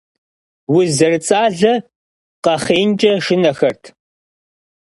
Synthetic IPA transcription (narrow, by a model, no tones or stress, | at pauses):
wʊzɐrɨt͡sʼaːɮɐ | qɐχeːnt͡ʃʼɐʂɪnɐxɐrtʰ